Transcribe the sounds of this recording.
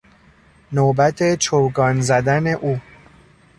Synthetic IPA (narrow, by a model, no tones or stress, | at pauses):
nobæt̪ʰe̞t͡ʃʰowɡɒːnzæd̪æne̞ʔuː